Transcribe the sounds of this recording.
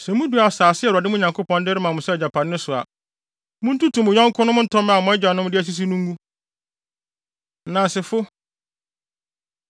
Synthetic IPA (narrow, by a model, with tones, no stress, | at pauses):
sɛ˨mũ˦du˨a˨saː˨sɪ˦ɛ˦˨dɪ˦mʊ̃˦ɲã˨ŋkʰo˦pʰɔ̃˨n˦dɪ˦ɾɪ˦mã˨mʊ̃˨sɛ˦ɛ˨d͡ʑa˨pʰã˨nː˦nʊ̃˦sʊ˨a̰˨ | mʊ̃˦n̩˦tu˦tʰũ˨mʊ̃˨ɲã˦ŋ˦kʰʊ̃˦nʊ̃˦m˦n̩˦tʰɔ̃˦m˦ã˨mʊ̃˦ɛ˦d͡ʑᶣa˨nʊ̃˦m˦dɪ˦æ˦s̬i˦s̬i˦nũ˦ŋ˦ɡu˦ | nã˨sɪ˨fʊ˦